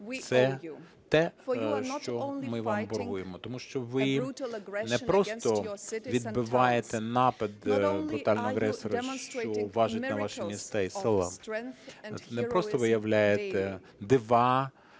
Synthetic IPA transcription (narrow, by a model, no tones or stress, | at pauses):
t̪sɛ | t̪ɛʃt͡ʃɔmɪʋɑmbɔrɦujemɔt̪ɔmuʃt͡ʃɔʋɪ | nɛpɾɔst̪ɔʋʲid̪bɪʋɑjet̪ɛnɑpɐd̪bɾʊt̪ɑlʲnɔɔɐɣɾɛsɔɾɐʃt͡ʃɔʋɑʒɐt̪ʲnɐʋɑʃɪmʲist̪ɛisɪlˠɐ | nɛpɾɔst̪ɔʋɪjɐʋlʲajet̪ɛ | d̪ɪʋɑ